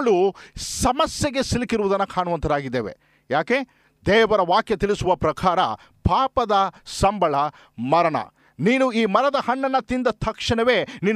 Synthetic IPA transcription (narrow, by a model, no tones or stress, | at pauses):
ɭusɐmɐsjɐɡe̞silikiɾuʋud̪ɐnːɐkʰaːɳuʋɐnt̪ɐɾaːɡid̪ːeːʋe̞̰ | jaːkeː | d̪ɛːʋɐɾɐʋaːkjɐt̪ilisuʋɐpɾɐkʰaːɾɐ̰ | paːpɐd̪ɐsɐmbʱɐɭɐ | mɐɾɐɳɐ̰ | niːnuiːmɐɾɐd̪ɐhɐɳːɐnːɐt̪ind̪ɐt̪ʰɐkʂɐɳɐʋe̞ːniːn